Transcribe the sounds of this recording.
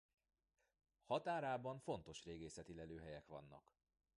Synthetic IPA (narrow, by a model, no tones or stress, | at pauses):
hɒt̪aːɾaːbɒɱfo̞nt̪o̞ʃreːɡeːsɛt̪ilɛløːɦɛjɛkʋɒ̰nːɒ̰k